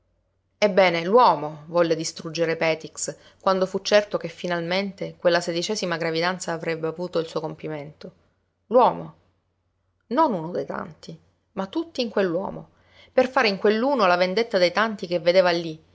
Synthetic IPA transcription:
ebːɛːnelwɔːmovɔlːed̪ist̪ɾud͡ʒːeɾepɛːt̪iks | kwand̪ofut͡ʃːɛrt̪okefːinalment̪ekwelːased̪it͡ʃɛːzimaɡɾavid̪ant̪saːvɾɛbːeavuːt̪oilsuːokompiment̪o | lwɔːmo | nonunod̪ejt̪a̰nt̪i | mat̪ːut̪ːiːŋkwelːwɔ̰ːmo | perfaːɾeiŋkwelːuːnolavend̪et̪ːad̪ejt̪ant̪ikevːed̪eːvalːi

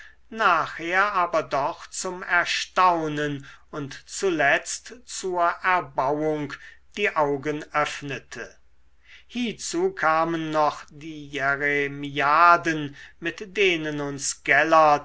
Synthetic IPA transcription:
naːχheːɐʔaːbɐdɔχt͡sʊmɛɐʃtaʊnənʊntt͡sulɛt͡stt͡suːɐʔɛɐbawʊŋkd̥iːʔaʊɡənʔœfnətʰə | hiːt͡suːkʰaːmənːɔχd̥iːjɛʁemiaːdənmɪtd̥eːnənʊnsɡ̥ɛlɐ

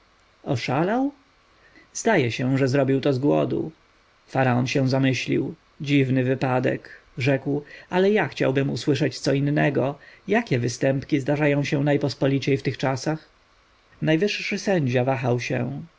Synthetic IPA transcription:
ɔʂalaw | zd̪ajɛɕɛ̃ʐɛzɾɔbʲiwt̪ɔzɡwɔ̰d̪ṵ | faɾaɔnɕɛ̃zamɘɕlʲḭw | d͡ʑivnɘvɘpad̪ɛ̰kʐɛkwalɛjaxt͡ɕa̰wbɘmuswɘʂɛt͡ɕt̪sɔinːɛɡɔjakʲɛvɘst̪ɛmpkʲizd̪aʐajɔ̃w̃ɕɛ̃najpɔspɔlʲit͡ɕejft̪ɘxt͡ʂasax | najvɘʂːɘsɛɲd͡ʑavaxawɕɛ̰̃

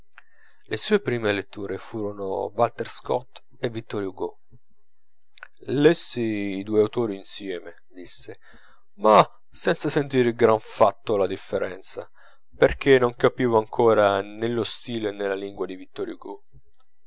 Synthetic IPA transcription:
lʔesuːepɾiːmelet̪ːuːɾefuːɾono̰valt̪erskɔt̪ː | evːit̪ːɔɾjuɡo | lesːiid̪uːeawt̪oːɾiːnsjɛːme | d̪isːe | ma | sɛnt̪sasent̪iːɾɡɾaɱfat̪ːolad̪ifːeɾʔɛnt̪sa̰ | perk̟ʰenːoŋkapiːvoaŋkʰoːɾanelːost̪iːlenelːaliŋɡwad̪ivit̪ːɔɾjuɡo

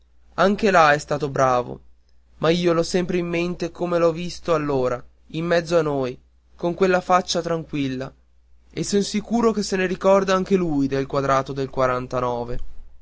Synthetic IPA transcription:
aŋkelaɛst̪aːt̪obɾaːvo̰ | maiːolɔsɛmpɾeimːent̪ekomelɔvist̪oalːoːɾa | imːɛd̪zːoanːoj | koŋkwelːafat͡ʃːat̪ɾaŋkwilːa | esonsikuːɾok̟esːeneɾikɔrd̪aaŋk̟elujd̪elkwad̪ɾaːt̪od̪elkwaɾant̪anɔːve

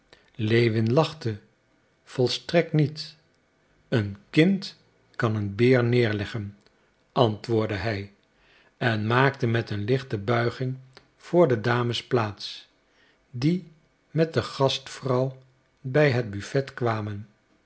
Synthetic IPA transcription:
lejʋɪnlɑχtə | v̥ɔlˠstrɛk̚tnit | ənkɪnt | kɑnənbɪːɹnɪːɹlɛχən | ʔɑntʋʊːɹdəɦɛj | ɛnmaːk̚təmɛtənlɪχtəbœɥχɪŋ | v̥ʊːɹdədaːməsplaːts | di | mɛt̚dəχɑstfrɑw | bɛjɦəd̚byfɛtkʋaːmən

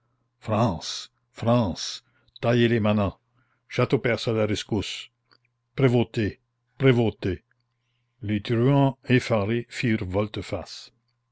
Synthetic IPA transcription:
fɾɑ̃ːs | fʁɑ̃ːs | t̪ajelemanɑ̃ | ʃat̪opɛʁsalaɾiskus | pɾevot̪e | pɾevot̪e | let̪yʁɥɑ̃efaʁifiːʁvɔlt̪əfas

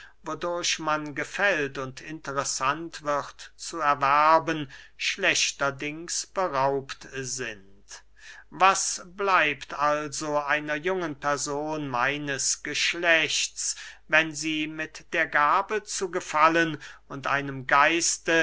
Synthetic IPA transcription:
vodʊɐɕmanɡəfɛltʊntʰɪntəʁɛsantv̥ɪʁtt͡suɛɐvæɐbənʃlɛɕtɐdɪŋsb̥əʁaʊptzɪn | t | vasblaɪptalzoʔaɪnɐjʊŋənpʰɛɐzoːnmaɪnəsɡ̥əʃlɛɕtt͡svɛnziːmɪtd̥eːɐɡaːbət͡suɡəfalənʊntʔa̰ɪnəmɡaɪstə

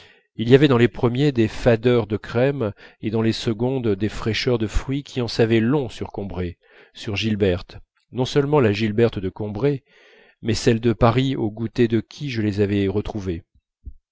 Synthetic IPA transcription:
ilijavɛd̪ɑ̃lepχəmjed̪efad̪œʁd̪əkχɛmed̪ɑ̃lesəɡɔ̃d̪d̪efχɛʃœʁd̪əfχɥikʲʰiɑ̃savɛlɔ̃syʁkɔ̃bʁe | syʁʒilbɛʁt̪ | nɔ̃sœlmɑ̃laʒilbɛʁt̪d̪əkɔ̃bʁe | mɛsɛld̪əpaʁioɡut̪ed̪əkʲʰiʒəlezavɛʁət̪χuve

